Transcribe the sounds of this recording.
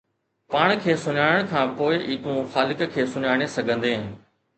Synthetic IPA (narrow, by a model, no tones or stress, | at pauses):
paːɳ̃kʰeːsʊɲaːɪəɽ̃kʰãːpoːɪʔiːt̪ũxaːlɪkkʰeːsʊɲaːɽ̃esɐɡʱə̃nd̪eːɦ